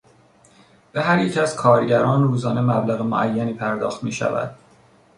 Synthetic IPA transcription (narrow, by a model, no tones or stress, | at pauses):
b̥eɦæɾjecʰæz̥kʰɒːɾɟæɾɒːnruːzɒːne̞mæblæɣemo̰ʔæjːæniːpʰæɾd̪ɒ̰ːxt̪miːʃæ̰væ̰d̪̥